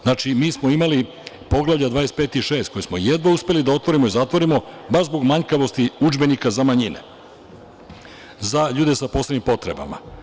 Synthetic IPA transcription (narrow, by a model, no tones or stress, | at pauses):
znat͡ʃimiːsmo̞imali | po̞ɡlˠavʎʲad̪ʋaːespeːt̪iʃe̞ːst̪̚ko̞jesmojed̪ʋauspe̞lid̪ao̞t̪ʋo̞ɾimoizat̪ʋo̞ɾimo̞baʃzbo̞ɡmaɲkaʋo̞st̪iud͡ʒbe̞nikazamaɲinḛ | zaʎuːd̪esapo̞sleɲimpo̞t̪ɾe̞ba̰ma̰